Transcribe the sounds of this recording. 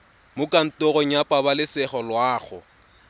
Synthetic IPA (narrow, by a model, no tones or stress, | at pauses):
mʊkʼan̩tʼɔɣɔɲ̩japʼabalɪsɛχɔlwaːχʊ̰